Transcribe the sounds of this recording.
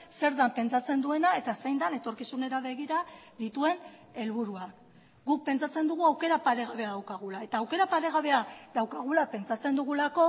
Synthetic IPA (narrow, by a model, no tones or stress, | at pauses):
se̞ɾðampe̞nt͡sat͡se̞nd̪ue̞nae̞t̪asejnd̪ane̞t̪o̞ɾkisune̞ɾaβe̞ɣ̞iɾaðit̪ue̞n | e̞lβuɾuak | ɡuk̚pe̞nt͡sat͡se̞nd̪uɣ̞uawke̞ɾapaɾe̞ɣaβe̞aðawkaɣ̞ulae̞t̪aːwke̞ɾapaɾe̞ɣ̞aβe̞aðawkaɣ̞ulape̞nt͡sat͡se̞nd̪uɣulako̞